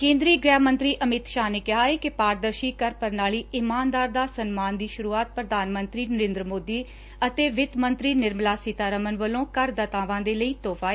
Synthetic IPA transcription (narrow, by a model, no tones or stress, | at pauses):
kẽːnd̪ɾiːɡɾɛːmə̃nt̪ɾiːʔəmɪt̪ʃaːneːkɪɦaːeːkɪpaːɾd̪əɾʃiːkəɾpəɾnaːliːʔɪmaːnd̪aːɾd̪aːsənmaːnd̪iːʃʊɾuːaːt̪̚pɾəd̪ʱaːnmə̃nt̪ɾiːnəɾẽːnd̪ɾəmoːd̪iː | ət̪eːʋɪt̪mənt̪ɾiːnɪɾmlaːsɪt̪aːɾəmənʋəlõːkəɾd̪ət̪aːʋãːd̪eːləiːt̪oːfʰaːe